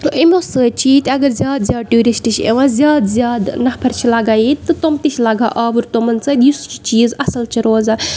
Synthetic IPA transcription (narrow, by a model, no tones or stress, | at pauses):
ʔimʲosəːt͡ʃʰiːt̪iɐɡɐɾzjaːd̪zʲjaːd̪ʈuːɾisʈit͡ʃʰḛʋãːzʲjaːd̪zʲjaːd̪nɐpʰɐɾt͡ʃʰilaːɡaːit̪ɨt̪omt̪it͡ʃʰlaːɡa̰ːʔaːbuɾt̪omɐnt͡səːd̪just͡ʃi̥t͡ʃiːzɐsɐlt͡ʃʰiɾoːza